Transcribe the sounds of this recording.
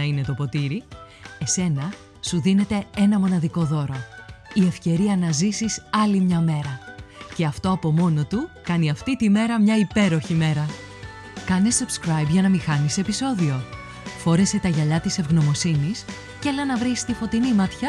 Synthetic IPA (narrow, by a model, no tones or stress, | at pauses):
ɐine̞t̪o̞po̞t̪iɾi | e̞se̞nɐ | suðine̞t̪e̞e̞nɐmo̞nɐðiko̞ðo̞ɾo̞ie̞fce̞ɾiɐnɐzisisɐlimɲɐme̞ɾɐce̞ɐft̪o̞ɐpo̞mo̞no̞t̪ukɐniɐft̪it̪ime̞ɾɐmɲɐipe̞ɾo̞çime̞ɾɐ | kɐnesub̥skɾɐjbʝɐnɐmixɐnise̞piso̞ðio̞ | fo̞ɾe̞se̞t̪ɐʝɐʎɐt̪ise̞vɣno̞mo̞sinis | celɐnɐvɾist̪ifo̞t̪inimɐt̪çɐ